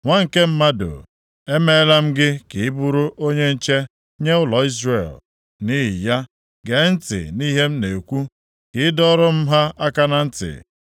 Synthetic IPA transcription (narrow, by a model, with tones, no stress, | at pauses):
ŋʷa˦ŋ̩˨ke˦m̩˦ma˦do̰˨ | e˦me˦la˦m̩˦ɡɪ˦kɪ˨ɪ˦bu˦ɾʊ˦ʔo˦ɲe˦n̩˦t͡ʃe˦ | ɲe˦ʊ˦lɔ˨i˦zre˨l | ni˦ɦɪ̰˨ja˦ | ɡe˨˦n̩˦tɪ̰˨ni˦ɦe˦m̩˦ne˨kʷu˦ | kɪ˨˦dɔ˦ɾʊ˦m̩˦ɦa˦a˦ka˦na˨n̩˦tɪ̰˨